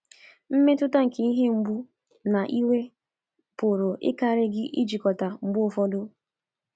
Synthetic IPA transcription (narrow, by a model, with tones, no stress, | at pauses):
m̩˦me˦tʊ˦ta˦ŋ̩˨ke˨i˦ɦe˦ŋ͡m̩˦ɡ͡bu˦ | na˨ʔi˦we˦ | pʊ˨ɾʊ˨ʔɪ̰˦ka˦ɾɪ˦ɡɪ˦ʔḭ˦d͡ʒi˨kɔ˨ta˨ŋ͡m̩˨ɡ͡bʊ˦˨fɔ˦dʊ˦